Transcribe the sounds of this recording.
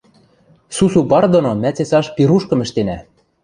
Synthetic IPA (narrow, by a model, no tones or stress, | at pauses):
susupɑrd̪onomæt͡sesɑʃpiɾuʃkɤ̆mɘ̆ʃt̪enæ